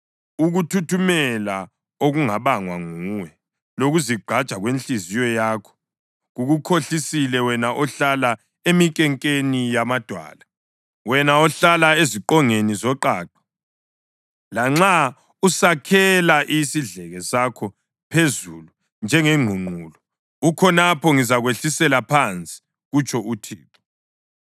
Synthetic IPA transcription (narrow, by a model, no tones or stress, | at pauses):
uɣutʰutʰumɛla | oɣuŋaβaŋwaŋuːwɛ | loɣuziɡ͡ǃʱat͡ʃʼaɣwent͡ɬizijɔjaːkʰɔ̥ | ɣuɣukʰoɬisilɛwɛnaʔɔɬala | emikʼɛŋkʼenijamad̥ʱwa̰ːla | wɛnaɔɬalaeziǃɔŋenizɔǃaːǃɔ̥ | laŋ͡ǁa | usakʰɛlaʔisiɮɛɣɛsakʰɔ | pʰezulu | nd͡ʒʱɛŋɛŋ͡ǃʱuŋ͡ǃʱuːlɔ | ukʰɔnapʰɔŋizaɣweɬisɛlapʰant͡sʼi̥ | ɣut͡ʃʰʼɔʔutʰiːtʰɔ̥